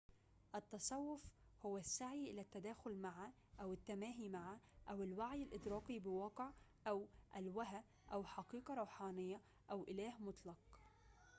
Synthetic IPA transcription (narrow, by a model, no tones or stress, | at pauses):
ʔat̪ːɑsˤɑwːʊfhʊwːasːaʕiʔɪlat̪ːad̪aːxʊlmaʕa | ʔawɪt̪ːamæːɦimaʕaʔawɪlwaʕjɪlʔɪd̪ɾɑːqibɪwɑːqɪʕʔawʔalwaɦa | ʔawħɑqiːqɑɾˤuːħɑːnɪjːa | ʔawʔɪlæːhmʊt̪ˤlɑq̚